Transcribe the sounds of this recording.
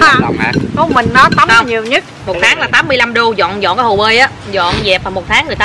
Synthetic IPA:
kɔ˨˦mï˨˩ŋ̟nɔ˨˦t̪ə˨˦˧ɲi˨˩əwɲə˦˥t̚mo˨˩t̚t̪ʰaː˨˦ŋlaː˨˩t̪aː˨˦mːɨ˧əjla˧mɗu˧zɔ̰˧˨nzɔ̰˧˨nkaː˨˦ho˨˩ɓəː˧jʔaː˨˦zɔ̰˧˨nzɛ˨˩p̚vaː˨˩mo˨˩t̚t̪ʰaː˨˦ŋːɨ˨˩əjt̪ː

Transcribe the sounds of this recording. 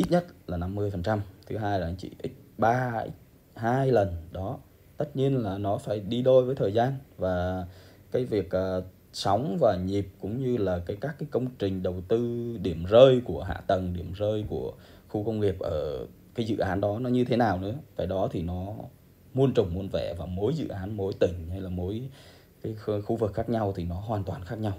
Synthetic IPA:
ʔi˦˥t̚ɲə˦˥t̚laː˨˩na˧mːɨ˧əjfə˨˩nt͡ɕa˧mt̪ʰɨ˨˦ɦaː˧jla˨˧˩ŋt͡ɕḭ˧˨ʔï˦˥k̚ɓaː˧i˦˥ | haː˧jlə˨˩nɗɔ˨˦ | t̪ə˦˥t̚ɲi˧ənlaː˨˩nɔ˨˦faː˧˩jɗi˧ɗo˧jvəː˨˦jt̪ʰəː˨˩jzaː˧nvaː˨˩ | kaː˨˦jvi˨˩ək̚əː˨˩ | sɔ˨˦wŋ͡mvaː˨˩ɲi˨˩p̚kʊ̰˧˥ŋ͡mɲɨ˧laː˨˩kaː˨˦jkaː˦˥k̚ːaː˨˦jkə˧wŋ͡mt͡ɕï˨˩ŋ̟ɗə˨˩wt̪ɨ˧ɗi˧˩əmzəː˧jku˧˩əɦa̰ː˧˨t̪ə˨˩ŋɗi˧˩əmzəː˧jku˧˩ə | xu˧kə˧wŋ͡mŋi˨˩ək̚ʔə̰ː˧˩ | kaː˨˦jzɨ̰˧˨ʔaː˨˦nɗɔ˨˦nɔ˨˦ɲɨ˧t̪ʰe˨˦naː˨˩wnɨ̰˧˥əkaː˧˩jɗɔ˨˦t̪ʰi˨˩nɔ˨˦ | mu˧ənt͡ɕə˨˩wŋ͡mmu˧ənvɛ̰˧˩vaː˨˩mo˨˦jzɨ̰˧˨ʔaː˨˦nmo˨˦jt̪ï˧˩ŋ̟ha˧jlaː˨˩mo˨˦j | kaː˨˦jxu˧vɨ˨˩k̚xaː˦˥k̚ɲa˧wt̪ʰi˨˩nɔ˨˦ɦwaː˨˩nt̪waː˨˩nxaː˦˥k̚ɲa˧w

